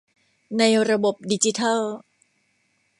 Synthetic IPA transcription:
na˧jɾa˧bo˨˩p̚di˧˩t͡ɕi˨˦t̪ʰa˥l

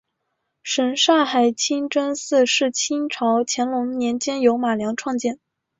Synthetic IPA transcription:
ʂə˧˩nʂa˥˩xa˨˩ɪt͡ɕʰi˥ŋʈ͡ʂə˥nsɹ̩˥˧ʂɻ̩˥˩t͡ɕʰi˥ŋʈ͡ʂʰɑ˧˥ʊt͡ɕʰjɛ˧˥nlʊ˧˥ŋnjɛ˧˥nt͡ɕjɛ˥njo˧˥ʊma˨˩ljɑ˧˥ŋʈ͡ʂʰwɑ˥˧ŋt͡ɕjɛ˥˩n

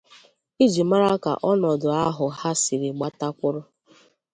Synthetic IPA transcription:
i˦d͡ʒi˨ma˦ɾa˦ka̰˨ʔɔ˦nɔ˨dʊ˨a˦ɦʊ˨ha˦si˨ɾɪ˨ɡ͡ba˦ta˦kʷʊ˦ɾʊ˦

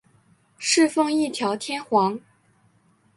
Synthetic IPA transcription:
ʂɻ̩˥˧fɤ˥˧ŋi˥˩t̪ʰjɑ˧˥ʊt̪ʰjɛ˥nxwɑ˧˥ŋ

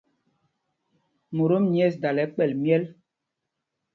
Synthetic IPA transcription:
mo˨ɾo˦mɲ˦ɛ˦˨sda˨lɛ˨˦k͡pɛ˦˨lmjɛ˦l

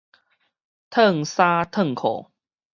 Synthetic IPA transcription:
t̪ʰə˥˨ŋsa˦t̪ʰə˥˩˨ŋkʰo̰˨˩

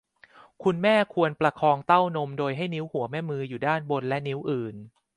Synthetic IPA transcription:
kʰu˧nmɛː˥˩kʰu˧ənpɾa˧kʰɔː˧ŋt̪a˥˩wno˧mdoː˧jɦa˥˩jni˦˥whu˩˦ɐmɛː˦˥˩mɯː˧juː˨˩daː˥˩nbo˧nlɛ˦˥ni˦˥wʔɯː˨˩n

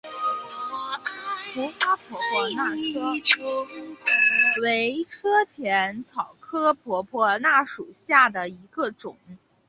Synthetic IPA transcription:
pu˧˥ka˥pʰwɔ˧˥pʰwɔ˧na˥˩ʈ͡ʂʰɤ˥ʈ͡ʂʰ | we˧˥ɪʈ͡ʂʰɤ˥t̪ʰjɛ˧˥nt͡sʰɑ˨˩ʊkʰɤ˥pʰwɔ˧˥pʰwɔ˧˥na˥˩ʂu˨˩ɕja˥˩d̪ə˩i˧˥ɡə˧ʈ͡ʂʊ˨˩˦ŋ

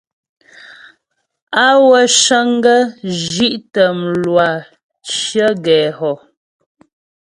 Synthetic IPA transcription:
a˦wə˨ʃə˦ŋ˦ɡə˦d͡ʒi˦ʔtə˨m̩˨lwa˨ | t͡ʃjə˦ɡɛː˨ɦɔ˨

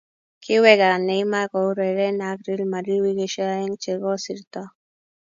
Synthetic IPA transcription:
kɪ˦wɛ˦ɡa˨nɛ˨ɪ˦ma˦kɔ˨u˦ɾɛ˨ɾɛ˦na˨kɾi˦lma˨ɾi˦wi˦ɡe˨ʃa˦ɛ˦ŋt͡ʃe˨ɡɔ˦si˨ɾt̪ɔ˦

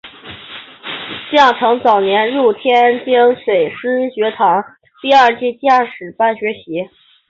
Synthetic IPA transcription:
t͡ɕjɑ˥˩ŋʈ͡ʂʰɤ˧˥ŋt͡sɑ˨˩ʊnjɛ˧˥nɻu˥˩t̪ʰjɛ˥nt͡ɕi˥ŋʂwe˨˩ɪʂɻ̩˥ɕɥɛ˧˥t̪ʰɑ˧˥ŋ | t̪i˥˧a˞˥˧t͡ɕi˥˧t͡ɕja˥˩ʂɻ̩˨˩pa˥˩nɕɥɛ˧˥ɕi˧˥

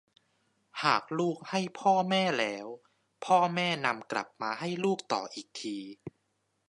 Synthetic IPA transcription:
haː˨˩k̚luː˥˩k̚ha˥˩jpʰɔː˥˩mɛː˥˩lɛː˦˥w | pʰɔː˥˩mɛː˥˩na˧mkla̰˨˩p̚maː˧ɦa˥˩jluː˥˩k̚t̪ɔ̰ː˨˩ʔiː˨˩k̚t̪ʰiː˧

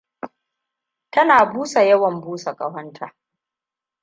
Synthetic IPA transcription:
tɐ˦naː˨buː˦sa˨jɐ˦wɐ˨mbuː˦sa˨kʼɐ˦hɐ˦ntʰaː˨

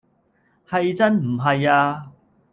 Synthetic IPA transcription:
hɐ˨jt͡sɐ˥nm̩˨˩ɦɐ˨jaː˧

